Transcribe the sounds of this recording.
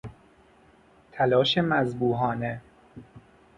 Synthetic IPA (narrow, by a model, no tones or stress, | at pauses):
t̪ʰælɒːʃemæzbuːɦɒːne